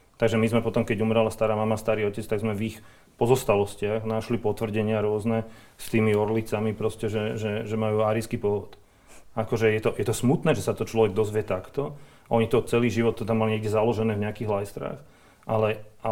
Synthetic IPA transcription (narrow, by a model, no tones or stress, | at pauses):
t̪aɡʒɛmizmɛpɔt̪ɔmkɛɟumɾalast̪aɾaːmamast̪aɾiːɔcɛt͡st̪aɡzmɛvix | pɔzɔst̪alɔscɪaɣnaʃlipɔt̪ʋr̩ɟɛɲɪaɾʊɔznɛ | st̪iːmiɔɾlit͡samipɾɔscɛʒɛʒɛʒɛmajuːaːɾiskiːpɔɦʋɔt̪ | akɔʒɛjɛt̪ɔjɛt̪ɔsmut̪nɛːʒɛsat̪ɔt͡ʃlɔʋɛɡ̚d̪ɔzʋɪɛt̪akt̪ɔ | aʔɔɲit̪ɔt͡sɛliːʒiʋɔt̪ːɛd̪amaliɲɛɡɟɛzalɔʒɛnɛːvɲɛakiːɣlajst̪ɾa̰ːx | ʔalɛʔa